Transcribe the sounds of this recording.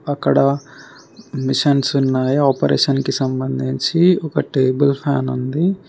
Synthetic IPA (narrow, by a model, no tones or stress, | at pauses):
ɐkːɐɽɐ | miʂɐnsunːaːjiaːpɐɾeːʂɐnkisɐmbɐnd̪ʱiɲt͡ʃiɔkɐʈeːbɐlpʰaːnund̪i